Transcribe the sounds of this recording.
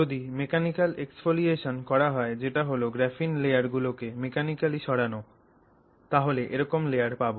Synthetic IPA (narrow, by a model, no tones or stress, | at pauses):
od̪imekanikalʔeksfolieʃonkɔɾaɦɔed͡ʑeʈaɦoloɡɾɛfinlejaɾɡulokemekanikaliʃɔɽano | t̪aɦoleʔeɾɔkomlejaɾpabo